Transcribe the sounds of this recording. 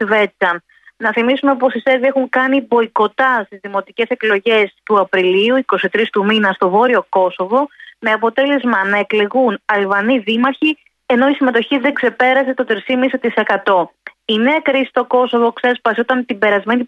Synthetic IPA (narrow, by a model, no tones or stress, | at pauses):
ve̞t͡sɐ | nɐθimisumepo̞siseɾðiexuŋkɐnibo̞iko̞t̪ɐst̪izðimo̞t̪ice̞se̞klo̞ʝe̞st̪uɐpɾiliuiko̞sit̪ɾist̪uminɐst̪o̞vo̞ɾio̞ko̞so̞vo̞me̞ɐpo̞t̪e̞le̞zmɐnɐe̞kle̞ɣunɐlvɐniðimɐɾçi | e̞no̞isime̞t̪o̞çiðeɡse̞pe̞ɾɐse̞t̪o̞t̪ɾisimisit̪ise̞kɐt̪o̞ineɐkɾisi̥st̪o̞ko̞so̞vo̞kse̞spɐsiot̪ɐnt̪ibe̞ɾɐzme̞ni